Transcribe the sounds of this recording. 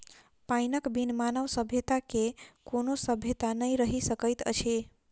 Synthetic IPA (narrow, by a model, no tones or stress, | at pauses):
pajnəkbinmanəʋsəbʱjət̪akekonosəbʱjət̪anəjɾəɦisəkəjt̪ə̰t͡ʃʰe